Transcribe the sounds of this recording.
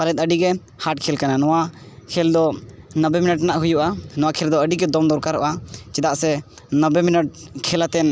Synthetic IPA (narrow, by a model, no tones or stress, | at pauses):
palɛt̪̚ˀəɖiɡɛ | haʈ̚kʰɛlkananɔwa | kʰɛld̪ɔ | nəbɛminəʈ̬naʔɦujuʔanɔwakʰɛld̪ɔəɖiɡɛd̪ɔmd̪ɔɾkaɾɔʔat͡ʃɛd̪aʔsɛ | nəbɛminəʈ̚kʰɛlat̪ɛn